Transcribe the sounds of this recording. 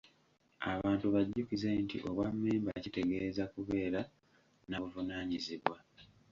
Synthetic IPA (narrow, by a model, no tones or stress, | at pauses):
aβaːntuβaɟːucize̞ntḭʔo̞βwamːeːmbacite̞ɡe̞ːzakuβe̞ːɾa | naβuvunaːɲiziβwa